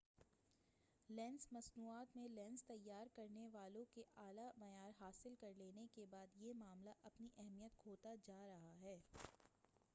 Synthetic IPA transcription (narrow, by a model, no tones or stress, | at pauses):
lɛ̃ːnsmɐsnuːaːt̪mẽlɛ̃ːnst̪ɐjːaːɾkɐɾneʋaːlõkeʔaːlamɐjaːɾɦaːsɪlkɐɾleːnekebaːd̪jemaːmlaʔɐpniʔɛɦmijət̪̚kʰoːt̪ad͡ʒaːɾɐɦaɦɛː